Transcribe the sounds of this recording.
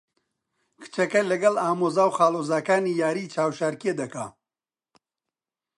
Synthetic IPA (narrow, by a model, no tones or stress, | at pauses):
kʰɨ̥t͡ʃɐkɐlɐɡɐlaːmoːzaːwxaːloːzaːkaːniːjaːɾiːt͡ʃʰaːwʃaɾkied̪ɐka̰ː